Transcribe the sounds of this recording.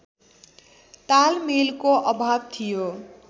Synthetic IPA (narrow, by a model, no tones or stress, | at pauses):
t̪almelkoʔʌbʱabt̪ʰijo